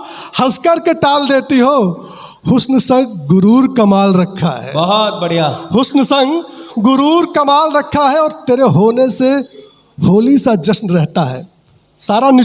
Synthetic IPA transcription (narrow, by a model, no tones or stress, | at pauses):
hɐzkəɾkeʈaːld̪eːt̪iɦoː | hʊsnsə̃ŋɡɡʊɾuːɾkɐmaːlɾəkʰːaɦɛ̰ːbəɦɔt̪̚bəɽijahʊsnsə̃ŋɡɡʊɾuːɾkəmaːlɾəkʰːaɦɛɔːɾt̪eːɾeɦoːnese | hoːlisad͡ʒəsnɾɛɦt̪aɦɛ̰ː | saːɾanɪ